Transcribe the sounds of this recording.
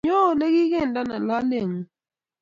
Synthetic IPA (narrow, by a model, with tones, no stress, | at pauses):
o˦˨lɛ˦ɡɪ˦ɡɛ˦˨nda˦na˨la˦le˦˨ŋ˨